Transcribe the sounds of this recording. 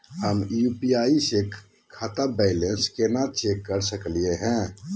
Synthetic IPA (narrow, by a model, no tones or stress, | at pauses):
həmjupiaisek | kʰat̪abɛɪlenskenat͡ʃekːəɾsəklijeɦɛ̃